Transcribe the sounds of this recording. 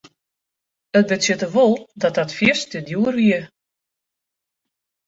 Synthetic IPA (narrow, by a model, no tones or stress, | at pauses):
ət̚bətsjɪtəʋolˠdɔt̚dɔtfjɪstədjuərʋiə